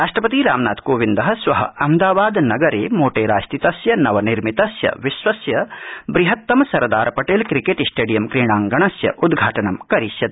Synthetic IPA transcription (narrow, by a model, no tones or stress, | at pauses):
ɾaːʂʈɾɐpɐt̪iɾaːmna̰ːt̪koːʋind̪ɐɦɐsʋɐɦɐ̰ɐmd̪aːbaːd̪nɐɡɐɾeːmoːʈeːɾaːʃt̪it̪ɐsjɐnɐʋɐniɾmit̪ɐsjɐ̰ʋiʃʋɐsjɐbɾiɦɐt̪ːɐmɐsɐɾd̪aːɾɐpɐʈeːlkɾikeːʈisʈeːɖijɐmkɾiːɳaːŋɡɐɳɐsjɐ̰ʔud̪ɡʱaːʈɐɳɐmkɐɾisjɐ